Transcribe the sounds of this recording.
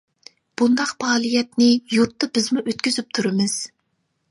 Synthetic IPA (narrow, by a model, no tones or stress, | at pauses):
b̥und̪ɑqbɑːlˠijɛt̪nɪjuɾt̪ːɑbɪzmuʔøt̪̚kʲyzyp̚t̪ʰuɾɨmɪz̥